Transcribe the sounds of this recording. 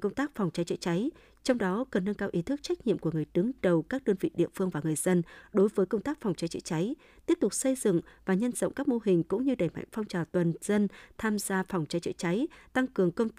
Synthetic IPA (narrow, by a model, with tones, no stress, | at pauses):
kə˧wŋ͡mt̪aː˦˥k̚fa˨˩wŋ͡mt͡ɕa˨˦jt͡ɕə̰˧˨t͡ɕa˨˦j | t͡ɕɔ˧wŋ͡mɗɔ˨˦kə˨˩nːə˧nkaː˧wʔi˨˦t̪ʰɨ˦˥k̚t͡ɕa˦˥jk̚ɲḭ˧˨əmku˧˩əŋɨ˨˩əjɗɨ˨˦ŋɗə˨˩wkaː˦˥k̚ɗəː˧nvḭ˧˨ɗḭ˧˨əfɨ˧əŋvaː˨˩ŋɨ˨˩əjz̥ə˧nɗo˨˦jvəː˨˦jkə˧wŋ͡mt̪aː˦˥k̚fa˨˩wŋ͡mt͡ɕa˨˦jt͡ɕə̰˧˥t͡ɕa˨˦j | t̪i˦˥əp̚t̪ʊ˨˩k͡p̚sə˧jzɨ̰˧˨ŋvaː˨˩ɲə˧nzə̰˧˨wŋ͡mkaː˦˥k̚mo˧ɦï˨˩ŋ̟kʊ̰˧˥ŋ͡mɲɨ˧ɗə˧˩jma̰˧˨jŋ̟fɔ˧wŋ͡mt͡ɕaː˨˩wt̪wə˨˩nz̥ə˧nt̪ʰaː˧mzaː˧fa˨˩wŋ͡mt͡ɕa˨˦jt͡ɕə̰ː˧˨t͡ɕa˨˦jt̪a˧ŋkɨ˨˩əŋkə˧wŋ͡m̪